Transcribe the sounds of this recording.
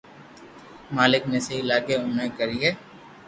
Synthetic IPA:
maːlɪknesɐɦilaːɡeʊaikəɾiɦɛː

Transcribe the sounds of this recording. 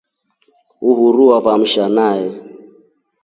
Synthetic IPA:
uɦuɾuwaβam̩ʃanajɛ

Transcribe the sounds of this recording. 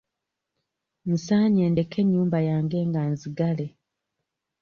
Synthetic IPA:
n̩saːɲe̞ːnde̞kʰe̞ɲːuːmbajaːŋɡe̞ːŋɡanziɡale̞

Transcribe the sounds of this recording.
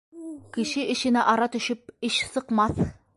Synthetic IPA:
kĭʃɪʔĭʃɪ̆nɪʔɑɾɑt̪ɵ̆ʃɘp̚ɪʃsɤ̆qmɑθ

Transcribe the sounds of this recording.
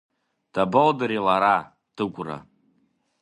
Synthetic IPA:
d̥abaldɨɾilaɾa | d̥ɨkʷʼra̰

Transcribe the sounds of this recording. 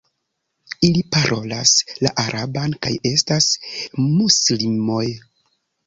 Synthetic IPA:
ilipaɾʔo̞laslaʔaɾʔabankaje̞stasmuslimo̞j

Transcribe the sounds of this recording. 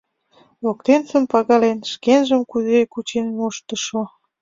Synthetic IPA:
βok̚t̪ensə̆mpɑɣɑlenʃkenʒəmkuzekut͡ɕenmuʃt̪ə̆ʃo

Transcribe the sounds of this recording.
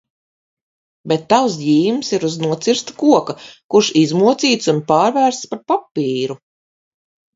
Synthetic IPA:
bet̪ːawsjiːmsiɾuznuɔt̪siɾst̪ḁkuɔkakuɾʃizmuɔt̪siːt̪sunpaːɾvæːɾst̪spaɾpapːiːɾu

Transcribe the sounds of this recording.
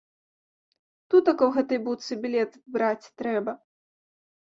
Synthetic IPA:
t̪ut̪ɐkɐwɣɛt̪ɐjbuwt̪sɨbʲilʲɛt̪bɾat͡sʲt̪ɾɛbɐ

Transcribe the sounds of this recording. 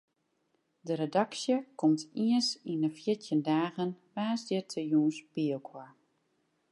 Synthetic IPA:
dəɾedaksjəkʰɔmtʰiənsinəfjɪtʰjəndaːɣənʋaːsdɪtʰəjuːnspiəlˠkʰwaɹ

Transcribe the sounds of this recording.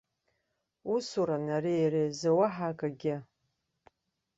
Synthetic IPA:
usuɾanarijrejzawaħakʼaɡʲɪ

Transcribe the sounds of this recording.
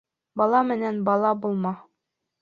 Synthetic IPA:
bɑlˠɑmɘ̆nænbɑlˠɑbulˠmɑ

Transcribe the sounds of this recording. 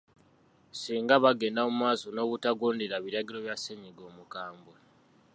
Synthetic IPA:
siːŋɡaβaɡe̞ːndaommaːso̞no̞ːkutaɡoːndeɾaβiɾaɡiɾo̞βjaseɲiɡo̞ːmukaːmbwe

